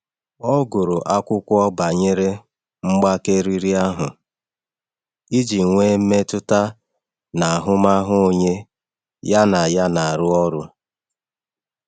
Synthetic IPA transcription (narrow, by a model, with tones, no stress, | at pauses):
ɔ˦ɡʊ˨ɾʊ˨ʔa˦kʷʊ˦kʷʊ˦ɔ˦ba˨ɲe˦ɾe˦ | ŋ͡m̩˦ɡ͡ba˦ke˦ɾi˦ɾi˦a˦ɦʊ˨ | i˦d͡ʒi˨ŋʷe˦me˦tʊ˦ta˦ | na˨a˨ɦʊ˦ma˦ɦʊ˦o˦˨ɲe˦ | ja˦na˨ja˦na˨a˨ɾʊ˦ɔ˦ɾʊ˦